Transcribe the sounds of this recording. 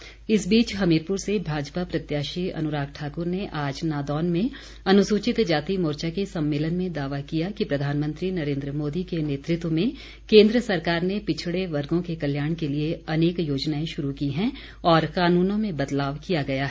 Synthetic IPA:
ɪsbiːt͡ʃɦɐmiːɾpʊɾsebʱaːd͡ʒpapɾɐt̪jaːʃiɐ̰nʊɾaːkʈʰaːkʊɾneʔaːd͡ʒnaːd̪ɔːnmẽ | ɐnʊsuːt͡ʃɪt̪d͡ʒaːt̪imoːɾt͡ʃakesɐ̃mːeːlənmẽd̪aːʋakijakipɾɐd̪ʱaːnmə̃nt̪ɾinɐɾẽːnd̪ɾəmoːd̪ikeneːt̪ɾɪt̪wmẽ | kẽːnd̪ɾəsɐɾkaːɾnepɪt͡ʃʰɽeʋɐɾɡõkekɐljaːɽ̃kelieɐneːkjoːd͡ʒnaːẽʃʊɾukiɦɛ̃ː | ɔːɾkaːnuːnõmẽbɐd̪laːʋkijaɡɐjaɦɛː

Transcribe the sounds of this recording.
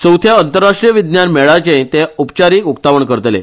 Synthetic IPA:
t͡sə̃wt̪ʰjaənt̪əɾːaʂʈɾijəʋid̪njanmɛɭat͡ɕẽt̪eupt͡ɕaɾiːkukt̪aʋəɳkəɾət̪lḛ

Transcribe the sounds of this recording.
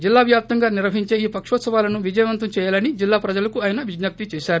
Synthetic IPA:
d͡ʒilːaːʋjaːp̚t̪ɐŋɡaːniɾʋɐɦiɲt͡ʃe̞ːiːpɐkʂɔːt̪sɐʋaːlɐnuʋid͡ʒɐjɐʋɐnt̪ɐmt͡ʃɛːjaːlɐnid͡ʒilːaːpɾɐd͡ʒɐlɐkuaːjɐnɐʋiɡnɐp̚t̪it͡ʃɛːʃaːɾu

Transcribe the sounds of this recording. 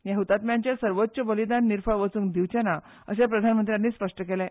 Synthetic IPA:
jãɦut̪at̪mjãɲt͡ɕasəɾʋot̪ːɕəbəlid̪anːiɾfəɭʋət͡suːŋd̪iʋt͡ɕana | ə̰ɕepɾəd̪ʱanmənt̪ɾjanːiːspəʂʈəkelɛ̃

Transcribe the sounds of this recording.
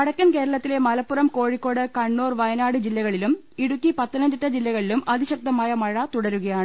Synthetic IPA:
ɐɽɐkʲːɐnke̞ːɾɐɭɐt̪ːile̞mɐlɐpːurɐmko̞ːɻikːo̞ːɽɨkɐɳːoːrʋɐjɐnaːɽɨd͡ʑilːɐɣɐɭilum | iɽukːipɐt̪ːɐnɐɲd͡ʑiʈːɐd͡ʑilːɐɣɐɭilumɐðʱiɕɐk̚t̪ɐmaːjɐmɐɻɐt̪uɽɐɾuɣɐjaːɳɨ

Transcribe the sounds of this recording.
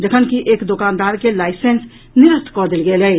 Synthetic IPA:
d͡ʒekʰənkiʔeːkd̪ʊkaːnd̪aːɾkelaːɪseːns | nɪɾəst̪ʰkɔːd̪ɪlɡeːlɦɛe

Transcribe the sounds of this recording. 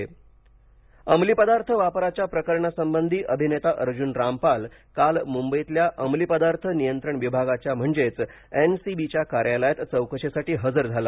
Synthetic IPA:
əmlipəd̪aɾt̪ʰəʋapɾat͡ɕjapɾəkəɾɳasəmbənd̪ʱiːʔəbʱinet̪aʔəɾd͡ʑuːnɾampalkalmumbəjit̪ljaʔəmlipəd̪aɾt̪ʰənijənt̪ɾəɳʋibʱaɡat͡ɕjam̤əɳd͡zet͡s | ensibit͡ɕjakaɾjaləjat̪t͡səwkəʂesaʈiːɦəd͡zəɾd͡zʱala

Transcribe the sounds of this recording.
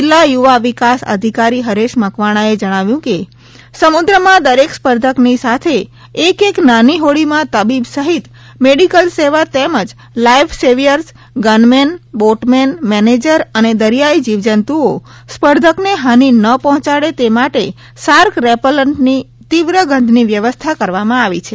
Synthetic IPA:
ɪlːajuʋaʋikasə̰d̪ʱikaɾiɦəɾeʃməkʋaɽ̃aed͡ʒəɽ̃aʋjũke | səmud̪ɾəmãd̪əɾekspəɾd̪ʱəknisat̪ʰeː | keknaniɦoɭimãt̪əbibsəɦit̪ | meɽikəlseʋat̪eməd͡ʒ | laifʰseʋijəɾs | ɡənmenboʈmenmɛned͡ʒəɾəned̪əɾijaid͡ʒiʋd͡ʒənt̪uo | spəɾd̪ʱəkneɦaninəpɔɦɔ̃t͡ʃaɽet̪emaʈe | saɾkɾɛpələɳʈni | t̪iʋɾəɡʱə̃nd̪ʱniʋjəʋəst̪ʰakəɾʋamãaʋit͡ʃʰe

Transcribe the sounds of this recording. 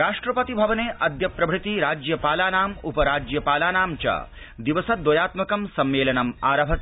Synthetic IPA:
ɾaːʂʈɾɐpɐt̪ibʱɐʋɐneːʔɐd̪ʱjɐpɾɐbʱɽit̪iɾaːd͡ʒjɐpaːlaːnaːmupɐɾaːd͡ʒjɐpaːlaːnaːmt͡ʃɐ̰ | d̪iʋɐsɐd̪wɐjaːt̪mɐkɐmsɐmːeːlɐnɐmaːɾɐbʱɐt̪i

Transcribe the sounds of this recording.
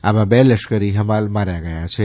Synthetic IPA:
amãbɛləʃkəɾiɦəmalmaɾjaɡəjat͡ʃʰe

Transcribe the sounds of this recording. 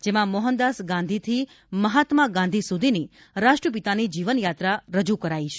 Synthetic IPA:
d͡ʒemãmɔɦənd̪asɡãnd̪ʱit̪ʰi | məɦat̪maɡãnd̪ʱisud̪ʱini | ɾaʂʈɾəp̬it̪anid͡ʒiʋənjat̪ɾaɾəd͡ʒukəɾait͡ʃʰe

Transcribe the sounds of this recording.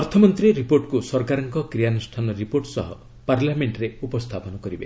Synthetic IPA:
ɔɾt̪ʰɔmɔnt̪ɾiɾipoɾʈkusɔɾkaɾɔŋkɔkɾijanusʈʰanɔɾipoɾʈsɔɦɔ̰ | paɾlameɳʈɾeupɔst̪ʰapɔnɔkɔɾibe

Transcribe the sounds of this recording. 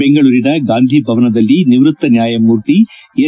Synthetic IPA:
eŋɡɐɭuːɾinɐɡaːnd̪ʱibʱɐʋɐnɐd̪ɐlːiniʋɾut̪ːɐnjaːjɐmuːɾt̪ie

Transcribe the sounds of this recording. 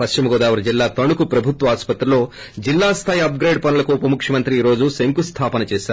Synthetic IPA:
pɐst͡ʃimɐɡoːd̪aːʋɐɾɐd͡ʒilːaːt̪ɐɳukupɾɐbʱut̪ʋɐaːspɐt̪ɾɐlo̞ː | d͡ʒilːaːst̪ʰaːjiɐp̚ɡɾejɖ̚pɐnɐlɐkuupɐmukʰjɐmɐnt̪ɾiiːɾo̞ːd͡ʒuseŋkust̪ʰaːpɐnɐt͡ʃeːsaːɾu

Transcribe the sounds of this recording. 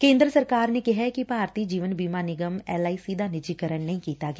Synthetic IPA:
kẽːnd̪ɾəsəɾkaːɾneːkɪɦɛkɪpaːɾt̪iːd͡ʒiːʋənbiːmaːnɪɡəmɛːlaːiːsiːd̪ʱaːnɪd͡ʒikəɾəɳːəĩːkiːt̪aːɡɪː

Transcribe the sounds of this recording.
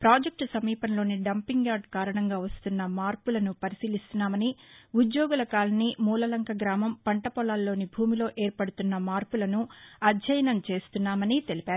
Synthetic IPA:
pɾaːd͡ʒɐk̚ʈsɐmiːpɐnlo̞ːniɖɐmpiŋɡaːɾɖkaːɾɐɳɐŋɡaːʋɐst̪unːɐmaːɾpulɐnupɐɾisiːlist̪unːaːmɐniud̪joːɡulɐkaːlɐnimuːlɐlɐŋkʰɐɡɾaːmɐmpɐɳʈɐpɔlaːlːo̞ːnibʱuːmilo̞ːʔe̞ːɾpɐɽut̪unːɐmaːɾpulɐnuɐd͡ʒɐjɐnɐmt͡ʃe̞ːst̪unːaːmɐnit̪e̞lipaːɾu

